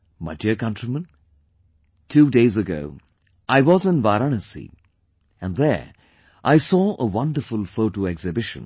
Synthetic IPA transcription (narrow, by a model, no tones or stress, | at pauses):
maɪdɪɹkʰʌ̃ntɹ̥imə̃n | tʰudeɪzɨɡo̰ʊ | ʔaɪwʌzɨ̃nvaɾɔnəsḭ | ɨ̃nðə˞ | ʔaɪsɔʔəwʌ̃ndə˞fʊlˠfoʊɾoɛɡz̥ɨbɪʃɨ̰̃n